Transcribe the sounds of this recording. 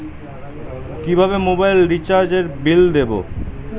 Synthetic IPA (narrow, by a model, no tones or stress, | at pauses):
kibʱaβemobajlɾit͡ɕaɾd͡ʑeɾbild̪ebo̰